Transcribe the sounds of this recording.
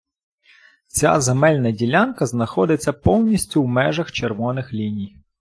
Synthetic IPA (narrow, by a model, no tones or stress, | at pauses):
t͡sʲa̰zemɛlʲnɐdʲilʲankɐznɐxɔd̪ɪt͡sʲːɐpɔwnʲisʲtʲʊwmɛʒɐxt͡ʃerʋɔnɪxlʲinʲij